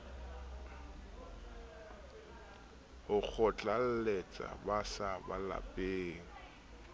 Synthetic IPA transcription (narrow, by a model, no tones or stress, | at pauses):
hʊk͡xʰɔt͡ɬʼal̩let͡sʼa̰basabala̰pʼeːŋ̩